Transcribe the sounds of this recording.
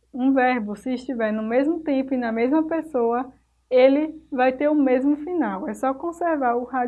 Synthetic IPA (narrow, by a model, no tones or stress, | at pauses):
ũvɛɾbʊsɪːʃt̪ivɛɾnʊmezmʊt̪ẽpʊinɐmezmɐpesoɐ | elɪvajt̪eɾʊmezmʊfinawɛsɔkõseɾvaɾʊha